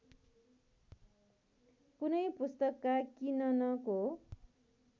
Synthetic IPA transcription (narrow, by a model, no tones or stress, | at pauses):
kunʌjpust̪ʌkːakinʌnʌko